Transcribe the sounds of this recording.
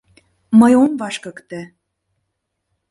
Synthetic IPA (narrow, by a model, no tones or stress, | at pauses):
məjomβɑʃkɤ̆kt̪ə̆